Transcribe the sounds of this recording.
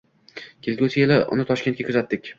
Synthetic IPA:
kʲʰelɡʲʊsɪjelɪʔʊ̰nɪt̪ʰɒʃkʲe̞nt̪kʲakʰʊzat̪ːɪkʲ

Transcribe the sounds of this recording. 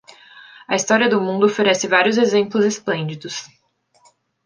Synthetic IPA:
ɐist̪ɔɾiɐd̪ʊmũnd̪ʊofeɾɛsɪvaɾjʊzezẽmplʊzesplẽnd͡ʒid̪ʊs

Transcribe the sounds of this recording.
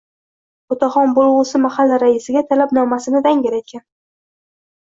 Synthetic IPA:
ot̪ʰaχɒnbolˠʁʊsɪmahalːaɾaɪsɪɡʲat̪ʰalapnɒmasɪnɪd̪aŋɡʲɪɾajt̪̚kʲʰan

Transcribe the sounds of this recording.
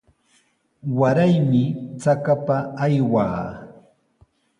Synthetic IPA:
waɾajmɪt͡sakapaːjwa̰ː

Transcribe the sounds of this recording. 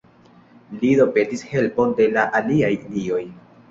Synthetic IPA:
lido̞petishe̞lpo̞nde̞laʔaliajilio̞j

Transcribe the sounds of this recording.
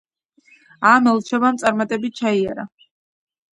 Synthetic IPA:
amɛlˠt͡ʃʰɛvamt̪sʼaɾmat̪ʼɛbit̚t͡ʃʰaiaɾa

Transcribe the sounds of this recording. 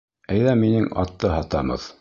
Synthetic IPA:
æjðæmːinɘŋɑ̰t̪ːɤɦɑt̪ɑmɤ̰ð

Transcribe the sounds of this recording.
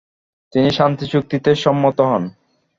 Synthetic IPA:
t̪iniʃant̪it͡ɕuk̚t̪it̪eʃɔmːot̪oɦɔn

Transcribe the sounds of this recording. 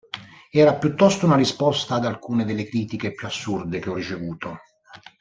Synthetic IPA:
ɛːɾapjut̪ːɔst̪ounarispɔst̪aːd̪alkuːned̪elːekɾiːt̪ik̟epjuasːurd̪ek̟eɔrːit͡ʃevuːt̪o

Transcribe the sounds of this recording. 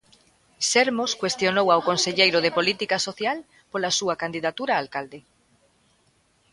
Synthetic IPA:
ʃɛɾmoskwest̪jonowawkonseʎejɾʊðepolit̪ikasoθjal | polasuakand̪iðat̪uɾaːlkald̪e

